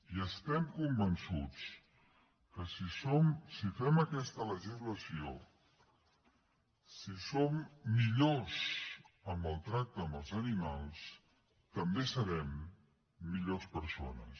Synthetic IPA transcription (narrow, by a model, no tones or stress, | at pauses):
iəst̪ɛmkumbənsut͡s | kəsisomsifɛməkɛst̪ələʒizləsio | sisomːiʎozəmbəlˠt̪ɾak̚t̪əːmbəlˠzənimalˠs | t̪əmbesəβɛmː | iʎospəɾso̰nə̰s